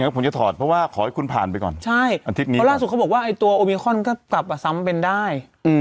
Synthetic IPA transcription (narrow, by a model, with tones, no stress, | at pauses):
pʰo˩˦nt͡ɕa˨˩t̪ʰɔː˨˩t̪̚pʰɾɔ˦˥waː˥˩kʰɔː˨˦ha˥˩jkʰu˧npʰa̰ː˨˩npa˧jkɔ̰˨˩nt͡ɕʰa˥˩jʔa˧t̪ʰi˦˥t̪niː˦˥laː˥˩su˨˩a˦˥bɔː˨˩kwːʔa˧jt̪u˧ɐʔoː˧miː˧xʰɔ˥˩nkɔː˥˩kla˨˩p̚ʔa˨˩sa˦˥mpe˧ndaː˥˩j | ʔɯː˧